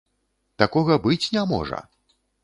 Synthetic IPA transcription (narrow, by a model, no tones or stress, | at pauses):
t̪akɔɣɐbɨt͡sʲnʲamɔ̰ʐɐ̰